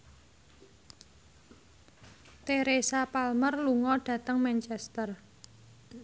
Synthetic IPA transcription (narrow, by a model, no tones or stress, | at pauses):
t̪eɾesapalmərluŋɔɖ̥ä̤t̪əŋmɛnt͡ʃɛst̪ər